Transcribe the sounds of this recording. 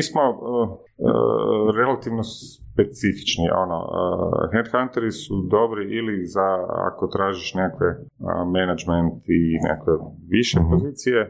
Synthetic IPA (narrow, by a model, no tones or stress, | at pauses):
iːsmo̞ə̰ | ɾelˠat̪iʋnos | pesifi̥t͡ʃnḭʔo̞̰no̰ə̰xend̪xant̪eɾisud̪o̞bɾiʔilizaa̰ko̞t̪ɾaːʒiʃnekakʋeəmenad͡ʒment̪inḛakʋe | ʋiʃepo̞ziːt̪sije